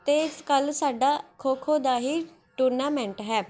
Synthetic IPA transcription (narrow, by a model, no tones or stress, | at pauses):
t̪eːɪskəlsaːɖaːkʰoːkʰoːd̪aːɦiː | ʈuːɾnaːmɛ̃ːɳʈɦɛː